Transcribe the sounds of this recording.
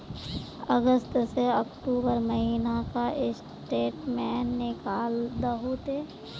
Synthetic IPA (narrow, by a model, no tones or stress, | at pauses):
əɡəst̪seəkʈuːbəɾməɦiːnakaʔɪs | ʈeːʈmɛːnːɪkaːld̪əɦot̪e